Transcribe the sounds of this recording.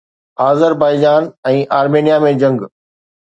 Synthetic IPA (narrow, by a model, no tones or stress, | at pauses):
aːzəɾbaːɪd͡ʑaːnɛ̃ːʔaːɾmeːnijamẽd͡ʑɐ̃ŋɡ